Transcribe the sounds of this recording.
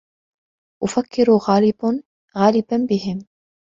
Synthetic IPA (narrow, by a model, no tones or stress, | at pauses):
ʔʊfakːɪɾuɣaːlɪb | ɣaːlɪbanbɪɦɪm